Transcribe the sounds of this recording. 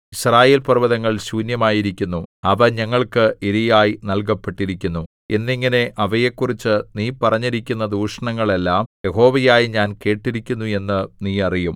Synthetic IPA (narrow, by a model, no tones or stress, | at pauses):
iɕraːje̞ːlpɐrʋɐðɐŋːɐɭɕuːnjɐmaːjiɾikʲːunːuɐʋɐɲɐŋːɐɭkɨiɾijaːjinɐlk̬ɐpːe̞ʈːiɾikʲːunːu | e̞nːiŋːɐne̞ʔɐʋɐjekːurit͡ɕːɨniːpɐrɐɲːiɾikʲːunːɐd̪uːʂɐɳɐŋːɐɭelːaːmje̞ɦo̞ːʋɐjaːjiɲaːnke̞ːʈːiɾikʲːunːue̞nːɨniːɐrijum